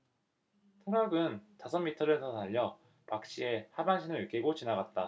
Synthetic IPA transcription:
tʰɯɾʌɡɯntasʰʌmːitʰɯɾesʰʌtaʎːʌ | pak̚ɕ͈ʰie̞habanɕʰinɯɾɯk͈eɡot͡ɕinaɡat̚t͈a

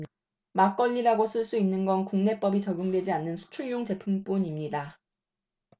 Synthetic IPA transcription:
mak͈ʌʎːiɾaɡosʰɯɭs͈uinːɯnɡʌnkuŋne̞p͈ʌbit͡ɕʌɡjuŋdwe̞d͡ʑianːɯnsʰu̥t͡ɕʰuɭjoŋt͡ɕe̞pʰump͈unimɲida

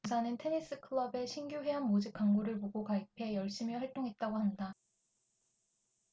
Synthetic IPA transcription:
sʰanɯntʰe̞nis͈ɯkʰɯɭʌbe̞ɕʰinɡjuɦwe̞ɦanmod͡ʑip̚k͈aŋɡoɾɯɭpoɡokaipʰe̞jʌɭɕ͈imiɸaɭt͈oŋɦe̞t̚t͈aɡohanda

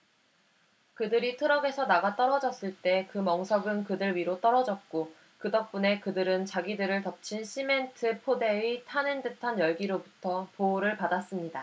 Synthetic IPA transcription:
kɯdɯɾitʰɯɾʌɡe̞sʰʌnaɡat͈ʌɾʌd͡ʑʌs͈ɯɭt͈e̞kɯmʌŋsʰʌɡɯnkɯdɯɭɥiɾot͈ʌɾʌd͡ʑʌt̚k͈o | kɯdʌk̚p͈une̞kɯdɯɾɯnt͡ɕaɡidɯɾɯɭtʌp̚t͡ɕʰinɕʰime̞ntʰɯpʰode̞itʰanɯndɯtʰanjʌɭɡiɾobutʰʌpoɾɯɭpadas͈ɯmɲida

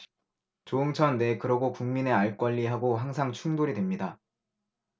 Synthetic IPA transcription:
t͡ɕoɯŋt͡ɕʰʌnːe̞kɯɾʌɡokuŋmine̞aɭk͈ʌʎːiɦaɡoɦaŋsʰaŋt͡ɕʰuŋdoɾidwe̞mɲida

